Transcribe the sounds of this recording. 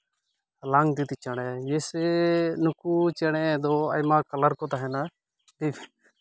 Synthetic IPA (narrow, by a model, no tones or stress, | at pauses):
laŋt̪it̪it͡ʃaɽ̃ɛjɛsɛnukut͡ʃɛɽ̃ɛ̃d̪ɔa̰jmakɐlaɾkɔt̪aɦɛna | ib